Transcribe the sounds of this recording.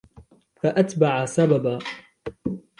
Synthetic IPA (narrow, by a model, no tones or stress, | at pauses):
faʔat̪baʕasababaː